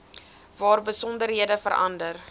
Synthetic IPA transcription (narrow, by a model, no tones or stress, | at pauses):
vɑːrbəsɔndəɾɦiədəfəɾɐ̰ndər